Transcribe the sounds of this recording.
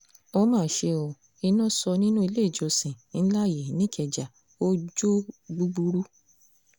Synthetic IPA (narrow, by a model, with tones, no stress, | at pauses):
o˦mãː˦˨ʃe˧o˨ | i˧nũ˦sɔ˧nĩ˦nũ˦i˧le˦˨d͡ʒo˧sĩ˨n̩˦la˦˨ji˨nĩ˦kʰɛ˨d͡ʒa˨ | o˦d͡ʒo˦ɡ͡bu˧ɡ͡bu˧ɾu˦